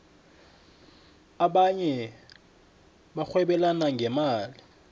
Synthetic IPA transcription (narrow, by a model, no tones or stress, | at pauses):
aɓaɲɛ | ɓaxwɛɓɛlanaŋɡʱɛmaːli